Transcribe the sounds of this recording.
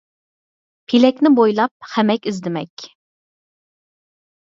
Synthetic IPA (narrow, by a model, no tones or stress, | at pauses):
pʰilɛkʲnɪbojlˠɑp̚χæmɛkʲizd̪ɪmɛkʲ